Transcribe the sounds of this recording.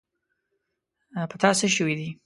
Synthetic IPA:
pət̪ɑsəʃəwid̪i

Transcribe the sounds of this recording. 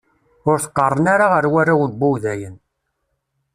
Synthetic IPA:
ʊɾθə̥qːərˤːənaɾaʁəɾwaɾawəlbuwðæjən

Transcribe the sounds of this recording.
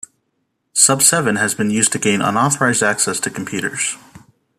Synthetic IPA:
sʌb̥sɛvɨ̃nɨzbɨ̃njʉz̥tʰɨɡẽɪ̃nə̰̃nɑθə˞aɪzdæksɛstʰɨkʰm̩pʰj̥ʉɾə̰˞z̥

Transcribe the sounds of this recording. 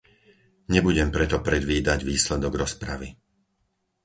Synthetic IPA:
ɲɛbuɟɛmpɾɛt̪ɔpɾɛd̪ʋiːd̪aɟʋiːslɛd̪ɔɡɾɔspɾaʋi

